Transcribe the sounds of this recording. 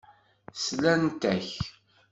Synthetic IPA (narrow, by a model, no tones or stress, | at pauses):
slænt̪æç